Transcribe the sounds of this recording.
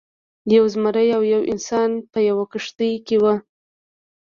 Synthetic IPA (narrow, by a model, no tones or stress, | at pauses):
jawzmaɾəjawjawʔɪ̰nsɑnpəjawakəʂt̪əjkewa